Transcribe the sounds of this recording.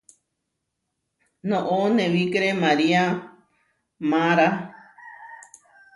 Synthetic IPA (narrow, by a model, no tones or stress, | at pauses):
nõʔonẽβikɾemaɾia | mãɾa